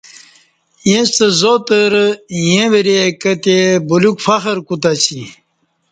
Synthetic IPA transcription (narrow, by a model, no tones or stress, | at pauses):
jẽst̪əzot̪əɾjẽʋeɾekət̪ebulukfɐxəɾkut̪̬at͡ɕi